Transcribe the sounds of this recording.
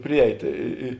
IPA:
ˈpʲrʲɪˌɛɪt ɪ ɪ ɪ

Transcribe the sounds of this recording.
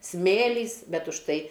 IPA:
ˈsʲmʲeːlʲiːs ˈbʲɛt ʊʃ ˈtɐɪ

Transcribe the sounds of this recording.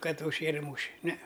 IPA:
ˈkɐt ʊʃʲˈʃʲeːrʲɛ ˈmuːʃʲɛ nʲɛ

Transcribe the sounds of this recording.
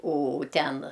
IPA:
oː ˈtʲɛn

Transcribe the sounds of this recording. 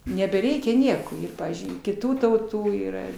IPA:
nʲɛbʲɛˈrʲɛɪkʲɛ ˈnʲiɛkoː ɪr ˈpɑːʋʲiːzʲd͡ʒʲʊɪ kʲɪˈtuː tɐʊˈtuː iːˈrɐ

